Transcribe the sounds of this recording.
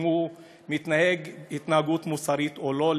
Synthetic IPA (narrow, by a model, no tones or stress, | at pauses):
u | mit̪naheɡhit̪nahaɡut̪musaʁit̪olo̞l